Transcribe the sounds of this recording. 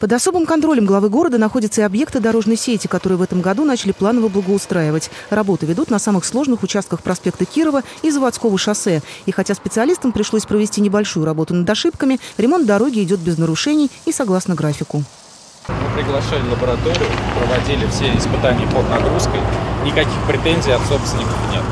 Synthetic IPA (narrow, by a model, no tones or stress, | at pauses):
pəd̪ɐso̞bɨmkɐnt̪ɾo̞lʲɪmɡlˠɐvɨɡo̞ɾəd̪ənɐxo̞dʲɪt̪səɪɐbje̞kt̪ɨd̪ɐɾo̞ʐnəjsʲetʲɪkɐt̪o̞ɾɨjəvɛt̪əmɡɐd̪unat͡ɕɪlʲɪplˠanəvəblˠəɡəʊst̪ɾaɪvətʲrɐbo̞t̪ʊvʲɪd̪ut̪nɐsamɨxslˠo̞ʐnɨxʊt͡ɕast̪̚kəxpɾɐspʲe̞kt̪əkʲiɾəvə | izəvat̪sko̞vəʂɐsɛixɐtʲaspʲɪt̪sɨɐlʲist̪əmpɾʲɪʂlˠo̞sʲpɾəvʲɪsʲtʲinʲɪbɐlʲʂujʊɾɐbo̞t̪ʊnəd̪ɐʂɨpkəmʲɪɾʲɪmo̞nt̪̚d̪ɐɾo̞ɡʲɪɪdʲo̞t̪̚bʲɪznəɾʊʂɛnʲɪjːsɐɡlˠasnəɡɾafʲɪkʊ | mɨpɾʲɪɡlˠɐʂalʲɪlˠəbəɾɐt̪oɾʲɪjʊpɾəvɐdʲilʲɪfsʲeɪspɨt̪anʲɪjəpəd̪nɐɡɾuskəjnʲɪkɐkʲixpɾʲɪt̪enʲzʲijɐt̪sopst̪vʲnʲɪkəfnʲḛt̪̚